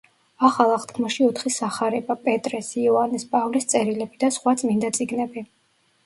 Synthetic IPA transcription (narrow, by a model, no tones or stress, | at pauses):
aχalˠaχt̪ʰkʰmɔʃiɔt̪ʰχisaχaɾɛbapʼɛt̪ʼɾɛsiɔanispʼavlist̪sʼɛɾilɛbid̪asχwat̪sʼmind̪at̪sʼiɡnɛbi